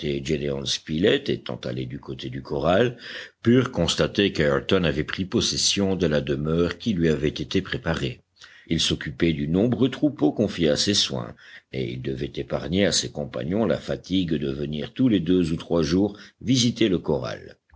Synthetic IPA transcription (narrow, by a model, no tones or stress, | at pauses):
t̪ed͡ʒeleɔ̃nspilɛt̪et̪ɑ̰̃t̪a̰led̪ykot̪ʰed̪ykɔʁalpyʁkɔ̃st̪at̪ekaɛʁt̪ɔnavɛpχipɔsɛsjɔ̃d̪əlad̪əmœːʁkʲilɥiavɛt̪et̪epχepaʁe | ilsɔkʲypɛd̪ynɔ̃bʁøt̪χupokɔ̃fjeaseswɛ̰̃ḛḭld̪əvɛt̪epaʁɲeasekɔ̃pa̰ɲɔ̃la̰fat̪iɡd̪əvəniʁt̪uled̪øzut̪χwaʒuːʁvizit̪eləkɔʁa̰l